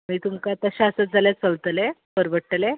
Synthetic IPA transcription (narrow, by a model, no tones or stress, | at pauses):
miːt̪umkat̪aɕasət̪̚d͡zʱaljat͡səlt̪əlepəɾbəʈːəle